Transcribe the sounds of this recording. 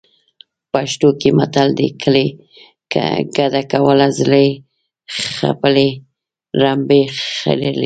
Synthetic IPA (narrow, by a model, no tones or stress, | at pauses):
paʃt̪okemat̪ald̪ḛkʰəle | ka̰ɡad̪akawəlazlə | xa̰pəle | ɾambea̰lel